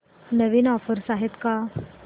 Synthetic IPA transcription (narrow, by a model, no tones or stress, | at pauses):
nəʋiːnɔfəɾsaɦet̪ka